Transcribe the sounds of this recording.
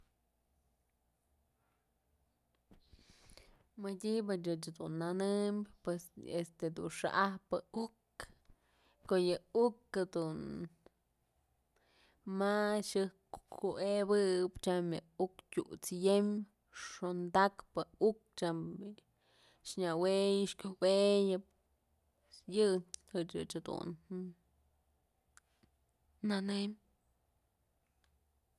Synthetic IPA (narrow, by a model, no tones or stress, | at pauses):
mədʲibɨt͡ʃɨt͡ʃd̪unːanɨmbʲpwesest̪ed̪ṵnʂa̰ʔahpɨuk | kojɨukːad̪un | maʃɨ | ueβɨpt͡ʃamjɨuktʲut͡sjem | ʂond̪akpɨuk̚t͡ʃam | ʃɲawejɨʃkʲowejɨp̚ | jɨhɨt͡ʃɨ̰t͡ʃad̪ṵn | anem